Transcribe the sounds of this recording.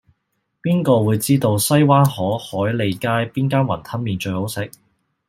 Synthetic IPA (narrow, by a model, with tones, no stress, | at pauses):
piː˥nkɔː˧wuː˨˧jt͡siː˥t̪o˧wsɐ˥jwaː˥nhɔː˨˥hɔː˨˥jle˨˧jkaː˥jpiː˥nkaː˥nwɐ̰˨˩nt̪ʰɐ˥nmiː˨˧nt͡ʃɵ˧ɥho˨˥wsɪ˨˥k̚